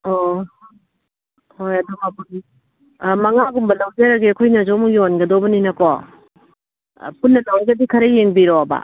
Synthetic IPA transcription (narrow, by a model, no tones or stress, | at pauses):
ɔ | hojɐdɔmapudi | mɐŋaɡumbɐlawzeɾaɡiɐkʰojnɐzɔmujonɡɐdobɐninɐkɔ | punːɐlawɡɐdikʰɐɾɐjeŋbiɾɔba̰